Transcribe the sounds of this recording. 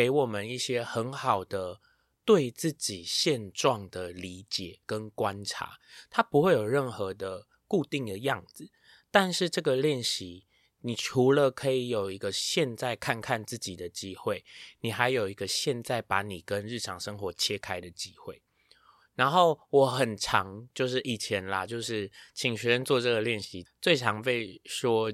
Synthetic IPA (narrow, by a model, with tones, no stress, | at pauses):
ke˧˥ɪwɔ˨˩mə˨ni˥˩ɕjɛ˦˥xə˧˦nxɑ˨˩ʊd̪ə˦ | t̪we˥˧ɪt͡sɹ̩˥˩t͡ɕi˨˩ɕjɛ˥˧nʈ͡ʂwɑ˥˨ŋd̪ə˩li˧˥t͡ɕjɛ˨˩kə˦nkwa˦nʈ͡ʂʰa̰˧˦t̪ʰa˦˥pu˧˦xwe˥˩ɪjo˨˩ʊɻə˥˩nxɤ˧˦d̪ə˨ | ku˥˧t̪i˥˩ŋd̪ə˨jɑ˥˩ŋd͡zɹ̩˨˩ | t̪a˥˧nʂɻ̩˥˧ʈ͡ʂɤ˥˩ɡə˨ljɛ˥˩nɕi˧˦ | ni˨˩ʈ͡ʂʰu˧˥lə˨kʰɤ˧˥i˨˩jo˨˩ʊi˨˧˥ɡə˧ɕjɛ˥˧nt͡sa˥˧ɪkʰa˥˧nkʰa˥˧nt͡sɹ̩˥˩t͡ɕi˨˩d̪ə˦t͡ɕi˦xwe˥˩ɪni˨˩xa˧˥ɪjo˨˩ʊi˧˦ɡə˧ɕjɛ˥˧nt͡sa˥˩ɪpa˧˥ni˨˩kə˦nɻɻ̩˥˩ʈ͡ʂʰɑ˨˩ŋʂə˥ŋxwɔ˧˥˦t͡ɕʰjɛ˦˥kʰa˥ɪd̪ə˨t͡ɕi˦˥xwe˥˩ɪ | ɻa˧˦nxo˥˩ʊwɔ˨˩˦xə˨˩nʈ͡ʂʰɑ˧˦ŋt͡ɕjo˥˧ʊʂ̬ɻ̩˥˩ʔi˨˩t͡ɕʰjɛ˨˦nlɐ˧t͡ɕjo˥˧ʊʂɻ̩˥˩t͡ɕʰi˨˩ŋɕɥɛ˧˦ɻə˧˥nt͡swɔ˥˧ʈ͡ʂɤ˥˩ɡə˩ljɛ˥˩nɕi˨˦t͡swe˥˩ɪʈ͡ʂʰɑ˧˦ŋpe˥˩ɪʂwɔ˦˥